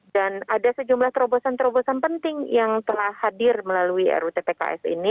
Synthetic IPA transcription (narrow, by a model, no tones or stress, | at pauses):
danadasəd͡ʒumlaht̪əɾobosant̪əɾobosanpənt̪ɪŋjaŋt̪əlahhadɪrməlaluiɛ̰ɾut̪epeka̰ʔɛ̰sḭni